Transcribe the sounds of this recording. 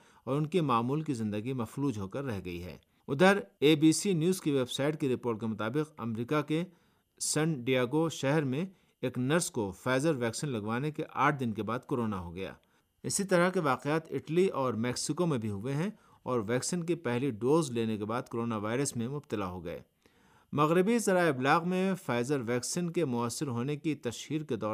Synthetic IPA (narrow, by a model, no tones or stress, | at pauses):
ɔːɾʊnkimaːmuːlkizɪ̃nd̪əɡimɐfluːd͡ʒɦokɐɾːɛɦɡɐḭɦɛ̰ː | ʊd̪ʱəɾeːbiːsinjuːzkiʋeːbsaːɪʈ̚kiɾɪpoːɾʈkemʊt̪aːbɪqɐ̰mɾiːkake | sɛ̃ɳɖijaːɡoʃɛɦɛɾmẽ | eːknɐɾskofɛːzəɾʋɛːksɪnlɐɡʋaːnekeʔaːʈ̚ʰd̪ɪnkebaːd̪̚koːɾoːnaɦoɡɐja̰ː | ɪsit̪ɐɾəɦkeʋaːqeaːt̪ɪ̰ʈliɔːɾmɛːksɪkomẽbʱiɦʊʋeɦɛ̃ | ɔːɾʋɛːksɪnkipɛɦliɖoːzleːnekebaːd̪̚koɾoːnaʋaːɪɾəsmẽmʊbt̪ɪlaɦoɡɐ̰ḛː | mɐɣɾɪbisɐɾaːɪblaːɣmẽfaːɪzəɾʋɛːksɪnkemʊəsːɪɾɦoːnekit̪ɐʃhiːɾked̪ɔː